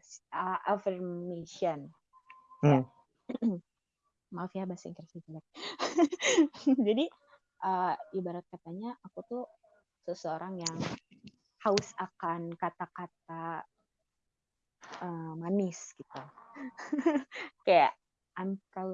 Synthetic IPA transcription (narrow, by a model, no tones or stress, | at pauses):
səʔafɛrmeʃiɔn | a | mafiabasɪ̰ŋkərfid͡ʒlɛk̚ | d͡ʒadi | ʔəibaɾat̪̚kat̪aɲaʔakut̪u | səsəoɾaŋjaŋ | haʊsakankat̪akat̪̚a | əmanɪsɡit̪u | kaja̰ʔ | ankaw